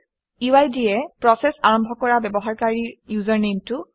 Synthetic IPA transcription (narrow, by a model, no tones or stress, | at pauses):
uajdiɛpɹɔsɛsaɹɔmbʱɔkɔɹabɛbɔɦaɹkaɹijuzɔɹnemtu